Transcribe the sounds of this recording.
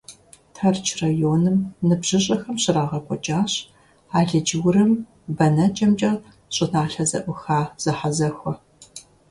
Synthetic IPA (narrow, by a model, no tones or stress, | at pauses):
tʰɐrt͡ʃʰrajoːnɨmnɨbʑ̥ɨɕʼɐxɐmɕɪɾaːʁɐkʷʼɔt͡ʃʼaːɕ | aːɮɐd͡ʒɪwrɨm | bɐnɐt͡ʃʼɐmt͡ʃʼɐ | ɕʼɨnaːɬɐzɐʔʷʊxaːz̥ɐħazɐxʷɔ